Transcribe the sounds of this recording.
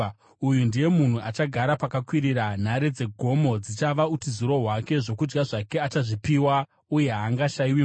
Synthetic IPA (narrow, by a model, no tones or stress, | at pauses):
ujundije̞mun̤uat͡ʃaɡʱaɾapakakwiɾiɾan̤aɾed͡ze̞ɡʱo̞mo̞d͡zit͡ʃaʋautizuɾo̞ɦwake̞ʐo̞kud͡ʒɡaʐake̞at͡ʃaʐipiwa | uje̞ɦaŋɡaʃaiwi